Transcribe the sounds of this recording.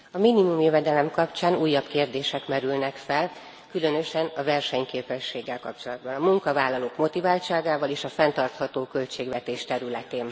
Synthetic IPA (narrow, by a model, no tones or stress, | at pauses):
ɒminimumjøvɛd̪ɛlɛmkɒpt͡ʃaːnuːjːɒbkeːrd̪eːʃɛkmɛɾylnɛkfɛl | kylø̞nø̞ʃɛnɒvɛrʃɛɲkeːpɛʃːeːɡːɛlkɒp̚t͡ʃo̞lɒd̪̚bɒnɒmuŋkɒvaːlːɒloːkmo̞t̪ivaːlt͡ʃaːɡaːvɒleːʃɒfɛnt̪ɒrt̪hɒt̪oːkø̞lt͡ʃeːɡʋɛt̪eːʃt̪ɛɾylɛt̪eːn